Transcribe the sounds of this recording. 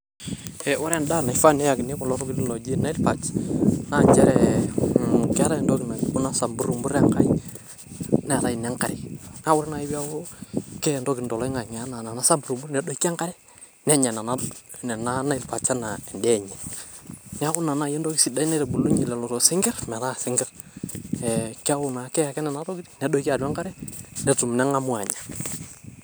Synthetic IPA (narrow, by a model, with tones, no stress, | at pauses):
ɛ˨ɔ˦ɾɛ˦nda˦˨na˨i˨fa˦nɛ˦ja˨kɪ˨nɪ˦kɔ˨lɔ˦ɾɔ˦kɪ˦n˦lɔ˨d͡ʒi˦na˦i˦lpa˨t͡ʃna˦˨d͡ʒɛ˦ɾɛ˨ | kɛ˦ɾa˦ɛ˨ndo˦kɪ˨na˨ku˦na˦sa˨mbu˦ɾu˨mbu˦ɾɛ˦˨ŋka˨˦i | nɛ˨ɾa˨i˨nɛ˦ŋka˨ɾɛ˨na˦wʊ˦ɾna˨ɪ˦bi˦a˦wo˦kɛ˦ɛ˨ndo˦kɪ˨ndɔ˨lɔ˦ŋa˨ŋa˦na˨na˨na˦sa˦mbu˨ɾu˨mbu˦nɛ˨dɔ˨i˦kːa˦ŋka˦ɾɛ˦ | nɛ˦ɲa˨na˨na˦nɛ˨na˦na˦i˦lpa˨t͡ʃa˦na˨ɛ˨ndɛ˦ɲɛ˨ | nɛ˦a˦kʊ˦na˨na˨jɛ˦ndo˦ki˦si˨da˦i˦nɛ˦ɾɛ˨bu˨lu˦ɲi˨lɛ˨lɔ˨ɾɔ˨sɪ˦ŋɡɛ˦rmɛ˨ta˦˨sɪ˨˦ŋɡɛ˦r | ɛ˨ka˦wʊ˨na˨kɛ˦ja˨kɛ˦nɛ˨na˦to˦kɪ˦tinɛ˨dɔ˦ka˨da˦ŋka˦ɾɛ˦nɛ˨tu˨mnɛ˦ŋa˦mʊ˦a˨ɲḁ˨